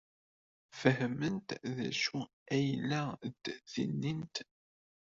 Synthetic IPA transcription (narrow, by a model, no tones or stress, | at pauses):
fəhmənt̪ðæ̰ʃu | æjlːæd̪̥θḭnːint̪